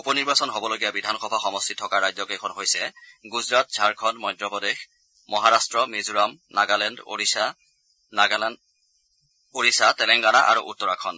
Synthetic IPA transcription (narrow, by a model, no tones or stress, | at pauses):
upɔniɹbasɔnɦobɔloɡijabidʱanxɔbʱaxɔmɔstʰitʰːɔkaɹajzɔkekʰɔnɦojsɛɡuzɹat̚z̥ʱaɹkʰɔnmɔjdɹɔpɔdex | mɔɦaɹastɹɔmizuɹamnaɡalɛndo̰ɹia | na | oɹisatɛlɛŋɡanaʔa̰ɹṵʔutːɔɹakʰɔn